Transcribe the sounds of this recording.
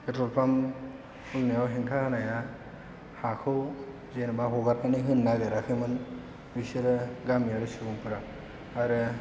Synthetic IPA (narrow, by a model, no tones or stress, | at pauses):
pʰetɾɔlpʰam | ulnajawɦeŋkʰahanaja | hakʰɯw | zenbaɦɔɡat̚naniɦɯnːaɡɯɾakʰɯmɯn | biseɾɯɡamijaɾɯsɯbuŋpuɾaː | ɾɯ